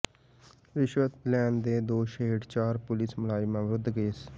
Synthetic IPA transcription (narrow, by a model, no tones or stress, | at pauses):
ɾɪʃʋət̪lɛːnd̪eːd̪oːʃeːʈt͡ʃaːɾpʊlɪsməlaːimɛ̃ːʋɾʊd̪ɡeːs